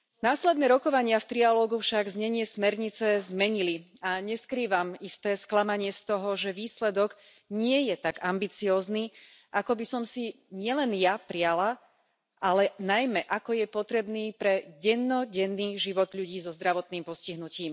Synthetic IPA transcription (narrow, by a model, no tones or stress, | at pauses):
naːslɛd̪nɛːɾɔkɔʋaɲɪaft̪ɾialɔːɡufʃaɡzɲɛɲɪɛsmɛɾɲit͡sɛzmɛɲiliaɲɛskɾiːʋamist̪ɛːsklamaɲɪɛst̪ɔɦɔʒɛʋiːslɛd̪ɔɡ | ɲɪɛjɛt̪aɡambit͡siɔːzniː | ʔakɔbisɔmsi | ɲɪɛlɛnjapɾiala | ʔalɛnajmɛʔakɔjɛpɔt̪ɾɛbniːpɾɛɟɛnːɔɟɛnːiːʒiʋɔd̪ʎuɟiːzɔzd̪ɾaʋɔt̪niːmpɔsciɦnuciːm